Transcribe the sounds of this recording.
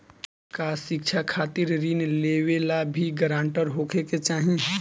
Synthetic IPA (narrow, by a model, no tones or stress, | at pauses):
kaʃɪk̚t͡ʃʰakʰaːt̪ɪɾɾinleːʋelabʱiɡəɾãːɳʈəɾɦoːkʰeket͡ʃaːɦĩ